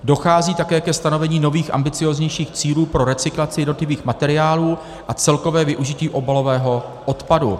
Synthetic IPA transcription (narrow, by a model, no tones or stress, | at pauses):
do̞xaːziːt̪akɛːkɛst̪ano̞vɛɲiːno̞viːxʔa̰mbɪt͡sɪjozɲɛjʃiːxt͡siːluːpɾo̞ɾɛt͡sɪklat͡sɪjɛdnot̪lɪviːxmat̪ɛɾɪaːluː | ʔat͡sɛlko̞vɛːvɪʔuʒɪciːʔo̞balo̞vɛːɦo̞ʔot̪padṵ